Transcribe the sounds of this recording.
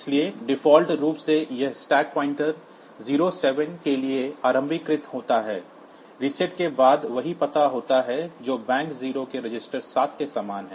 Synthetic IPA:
ɪslieɖɪfɔːlʈɾuːpsejɐɦsʈɛːk̚pɔːɪ̃ɳʈəɾ | ziːɾosɛːʋənkelieaːɾə̃mbʱikɾɪt̪ɦoːt̪aɦɛː | ɾɪsɪʈkebaːd̪ʋɐɦipɐt̪aɦoːt̪aɦɛd͡ʒoːbɛ̃ːŋkziːɾokeɾɪd͡ʒɪsʈəɾsaːt̪ʰkesaːmaːnɦɛ̃ː

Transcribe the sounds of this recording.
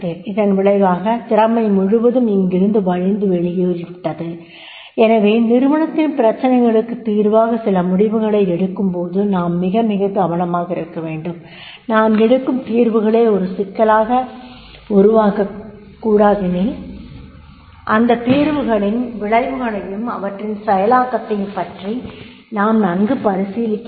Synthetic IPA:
teːɾɪðɐnʋɪɭɐɪʋaːɣɐt̪ɪɾɐmɐɪmʊɻʊʋɐðɯmɪŋɡɪɾɯnd̪ɯʋɐɻɪnd̪ɯʋɛɻɪjeːɾɪpɪʈːɐðɯ | ɛnɐʋeːnɪɾɯʋɐɻɐt̪ːɪnpɪɾɐt͡ʃːɐnɐɪɣɐɭɯkːɯt̪iːɾʋaːɣɐsɪlɐmʊɽɪʋɯɣɐɭɐɪɛɽɯkːɯmpoːðɯnaːmːɪɣɐmɪɣɐdɐʋɐnɐmaːɣɐɪɾɯkːɐʋeːɳɖɯm | naːmɛɽɯkːɯmt̪iːɾʋɯɣɐɭeːɔɾɯsɪkːɐlaːɣɐ | ʊɾʊʋaːkɐ | kːuːɽaːðɪnɪː | ʔɐnd̪ɐt̪iːɾʋɯɣɐɭɪnʋɪɭɐɪʋɯɣɐɭɐjɯmɐ̰ʋɐʈrɪnsɛjɐlaːkːɐt̪ːɐjɯmpɐʈri | naːmnɐŋɡɯpɐɾɪsiːlɪkː

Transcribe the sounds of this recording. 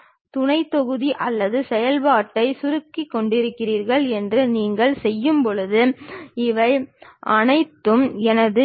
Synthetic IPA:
t̪ʊɳɐɪt̪ːɔɣɯðiʔɐlːɐðɯsɛjɐlpaːʈːɐɪsʊɾɯkːikːɔɳɖɪɾɯkːɪriːɾɣɐɭɛndrɯniːŋɡɐɭsɛjːɯmpɔɻɯðɯɪʋɐɪʔɐnɐɪt̪ːɯmɛnɐðɯ

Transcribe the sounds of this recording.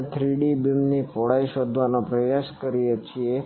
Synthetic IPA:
t̪ʰɾiɽibimnipɔɽajʃɔd̪ʱʋanopɾəjaskəɾijət͡ʃʰie

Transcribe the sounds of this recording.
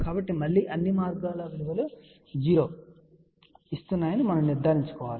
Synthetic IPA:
kaːbɐʈːimɐlːiːʔɐnːimaːɾɡaːloːʋiɽuɡɐlu | d͡ʒiːɾoː | ist̪unːaːjɐnimɐnɐmniɾd̪ʱaːɾiɲt͡ʃu̥kɔːʋaːli

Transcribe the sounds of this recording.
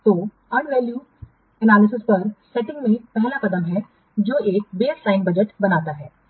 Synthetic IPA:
t̪oː | ɐnʋɛːljuː | ɛnaːlɪsɪspɐɾsɛʈɪ̃ŋɡmẽpɛɦlakɐd̪əmɦɛ | d͡ʒoːeːk̚beːɾsaːɪnbɐd͡ʒəʈbɐnaːt̪aɦɛː

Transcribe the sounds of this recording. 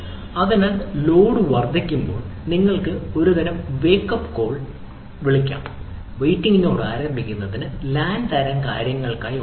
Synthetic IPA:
ɐðinaːllo̞ːɽɨʋɐrd̪ʱikʲːumbo̞ːɭniŋːɐɭkɨo̞ɾuðɐɾɐmʋe̞ːkːɐpːko̞ːɭ | ʋiɭikʲːa̰ːm | ʋejʈːiŋɡino̞ːɽa̰ːɾɐrbʱikʲːunːɐðinɨlaːnt̪ɐɾɐŋkaːɾjɐŋːɐɭkaːj

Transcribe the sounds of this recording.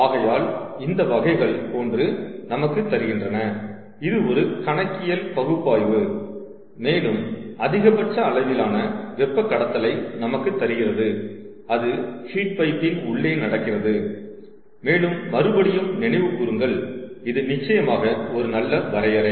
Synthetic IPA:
aːɣɐjaːlɪnd̪ɐʋɐɣɐɪɣɐɭpoːndrɯnɐmɐkːɯt̪ːɐɾɯɣɪndrɐnɐ | ɪðɯɔɾɯkɐɳɐkːɪjɐlpɐɣɯpːaːjʋɯ | meːlɯmɐðɪɣɐpɐʈ̚t͡ʃːɐɐɭɐʋɪlaːnɐʋɛpːɐkːɐɽɐt̪ːɐlɐɪnɐmɐkːɯt̪ːɐɾɪɣɪrɐðɯ | ɐðɯhiːʈ̚pɐɪpːɪnʊɭːeːnɐɽɐkːɪrɐðɯ | meːlɯmːɐɾɯbɐɽɪjɯmnɪnɐɪʋɯkːuɾɯŋɡɐɭɪðɯnɪt͡ʃːɐjɐmaːɣɐɔɾɯnɐlːɐʋɐɾɐjɐɾɐɪ

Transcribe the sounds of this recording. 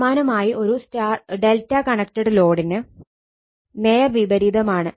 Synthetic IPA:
maːnɐmaːjiʔo̞ɾustaːɖeltːɐkɐɳɐk̚tɐɽɨlo̞ːɽinɨ | mejɐrʋibɐɾiðɐmaːɳɨ

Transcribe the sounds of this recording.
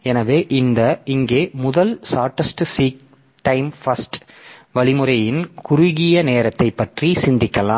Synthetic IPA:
ɛnɐʋeːʔɪnd̪ɐɪŋɡeːmʊðɐlsaːʈːɐsʈsiːk̚ | ʈɐɪmfɐsʈ | ʋɐɭɪmɯɾɐjɪnkʊɾʊɣɪjɐneːɾɐt̪ːɐɪpːɐʈrisɪnd̪ɪkːɐlaː

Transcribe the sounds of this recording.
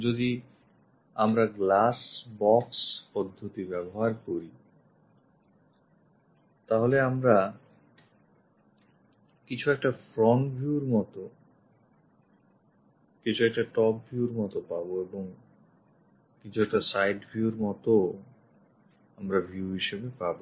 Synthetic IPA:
d͡ʑod̪i | amɾaɡlasbɔkspɔd̪ʱːot̪ibɛboɦaɾkoɾi | t̪aɦoleamɾa | kit͡ɕʰuɛk̚ʈafɾɔɳʈbʱjuuɾmɔt̪o | kit͡ɕʰuɛk̚ʈaʈɔpbʱjuɾmɔt̪opaboeboŋ | kit͡ɕʰuɛk̚ʈasajɖbʱjiuɾmɔt̪o | amɾabʱiuuɦiʃebepabo

